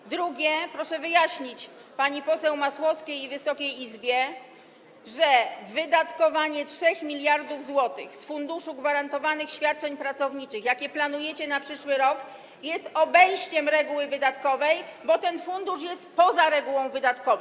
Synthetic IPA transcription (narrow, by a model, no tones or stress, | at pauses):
d̪ɾuɡʲɛpɾɔʂɛvɘjaɕɲit͡ɕ | paɲipɔsɛwmaswɔfskʲejivɘsɔkʲejizbʲjɛ | ʐɛvɘd̪at̪kɔvaɲɛtʂɛxmʲilʲjaɾd̪uvzwɔt̪ɘxsfund̪uʂuɡvaɾant̪ɔvanɘxɕfʲjat̪̚t͡ʂɛɲpɾat̪sɔvɲit͡ʂɘxjakʲɛplanujɛt͡ɕɛnapʂɘʂwɘɾɔk | jɛst̪ɔbɛjɕt͡ɕɛmɾɛɡuwɘvɘd̪at̪kɔvɛjbɔt̪ɛnfund̪uʂ̬jɛst̪pɔzaɾɛɡuwɔ̃w̃vɘd̪at̪kɔv